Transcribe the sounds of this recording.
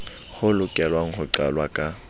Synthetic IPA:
hʊlʊkʼɛlwaŋ̩hʊǀa̰lwakʼa

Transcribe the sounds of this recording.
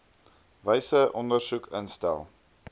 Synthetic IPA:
vəjsəʔɔndərsukə̰nstæ̰lˠ

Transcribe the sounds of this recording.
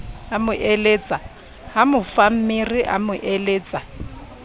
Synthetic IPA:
amʊʔeleːt͡sʼa | hamʊfam̩mɪriʔa̰mʊʔeleːt͡sʼa

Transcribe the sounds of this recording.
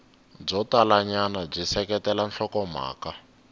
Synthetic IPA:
b͡ʐɔtalaɲanab͡ʐisɛkɛtɛlanɬɔkɔm̤a̰ːka

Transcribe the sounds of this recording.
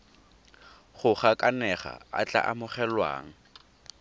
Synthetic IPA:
χʊχakʼanɛχa̰a̰t͡ɬʼa̰ʔamʊχɛlwa̰ːŋ̩

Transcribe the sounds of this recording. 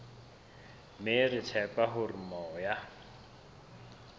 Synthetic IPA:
merɪtʰɛpʼaɦʊrimɔja

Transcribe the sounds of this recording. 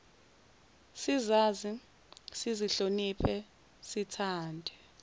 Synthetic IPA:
sizaːzi | siziɬonipʰɛ | sitʰaːndʱɛ

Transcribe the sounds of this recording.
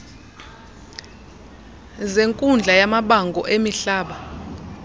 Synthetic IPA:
zeŋkʼund͡ɮʱajamaɓaŋɡʱɔ̰ʔemiɬaːɓa

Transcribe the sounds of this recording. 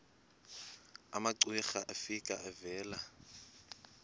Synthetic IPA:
amaǀwiχaʔɛfikʼaʔɛvɛːla

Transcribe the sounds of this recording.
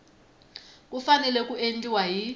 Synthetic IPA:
k̬ʼufanɛlɛk̬ʼuentʼiwaji

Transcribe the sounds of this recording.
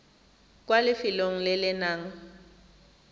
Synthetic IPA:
kʼwalɪfɪloŋ̩lɪlɪnaːŋ̩

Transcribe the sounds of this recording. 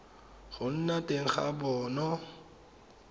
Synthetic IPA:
χʊn̩natʼeŋ̩χa̰bɔːnɔ

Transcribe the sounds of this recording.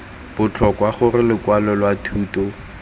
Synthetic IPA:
b̥ʊt͡ɬʰɔkwaχʊrɪlɪkwalɔlwatʰuːtɔ

